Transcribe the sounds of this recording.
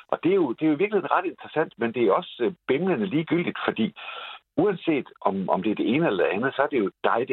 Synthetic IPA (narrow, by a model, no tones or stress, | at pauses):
ʔɒ̽d̥e̝jo̝d̥e̝joiʋiɐɡlihḛn̩ʁɑ̈d̥e̝nd̥ʁɐsæn̰d̥mend̥e̝æɒ̽sb̥emlənəliːɡ̥yl̰d̥id̥fɒ̽d̥ḭː | uænse̝̰ːd̥ʔɒmɒ̽md̥e̝æɐd̥e̝e̝ːnəelɐd̥e̝ænð̩ˠsɒ̽æɐd̥e̝jo̝d̥ɑ̈ɪd̥e